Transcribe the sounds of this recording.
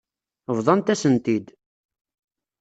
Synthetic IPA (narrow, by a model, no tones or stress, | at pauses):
əvðˤɑnt̪æsənt̪id̪